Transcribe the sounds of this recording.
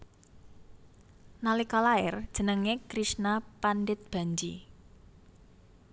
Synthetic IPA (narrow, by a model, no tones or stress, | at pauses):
nalikɔlaɪrd̥ʒ̥ə̤nəŋekɾisnapanɖɪt̪̚b̥a̤ɲd͡ʒḭ